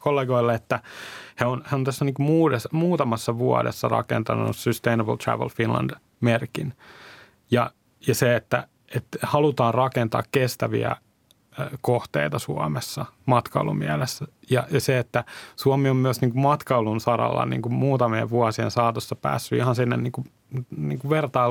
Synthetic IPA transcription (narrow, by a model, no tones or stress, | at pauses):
kolːeɡoilːeet̪ːæheonheont̪æsːæniːŋkumuːdesmuːt̪ɑmɑsːɑʋuɑ̰dḛsːɑ̰rɑ̰kḛnt̪ɑnuṵssyst̪einɑbəlt̪ræ̰ʋḛlfinlɑ̰nd̥ | merkin | jɑ | jɑseet̪ːæ̰ | et̪hɑlut̪ɑːnrɑkent̪ɑ̰ːkkest̪æʋḭæ̰ | koht̪ḛit̪ɑsuɑmesːɑmɑt̪kɑulṵmiælesːæjɑjɑseet̪ːæsuɑmiommyæsniːŋkummɑt̪kɑulunsɑrɑ̰lːɑ̰nḭːŋkummuːt̪ɑmiḛʋʋuɑsiḛnsɑːt̪osːɑpæ̰ːsːyihɑnsinːenniːŋku | niːŋkuʋert̪ɑi